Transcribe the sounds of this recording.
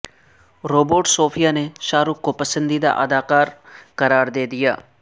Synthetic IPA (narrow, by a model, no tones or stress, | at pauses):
ɾoːboːʈsoːpʰijaːneʃaːɾukkːopɐsə̃nd̪id̪a̰ʔɐd̪aːkaːɾkɐɾaːɾd̪eːd̪ɪja̰ː